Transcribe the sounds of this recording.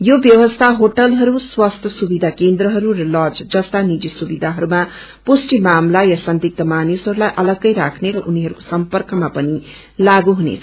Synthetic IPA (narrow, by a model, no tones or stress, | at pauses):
jobjʌwʌst̪ʰaɦoʈʌlɦʌɾuswast̪ʰʌsubid̪ʱakend̪rʌɦʌɾuɾʌlʌd͡zd͡zʌst̪anid͡zisubid̪ʱaɦʌɾuma | posʈimamlajasʌnd̪ik̚t̪ʌmanisɦʌɾulajʔʌlʌɡːʌjɾakʰneɾʌʔuniɦʌɾuko̥sʌmpʌrkʌmapʌni | laɡuɦunḛt͡sʰʌ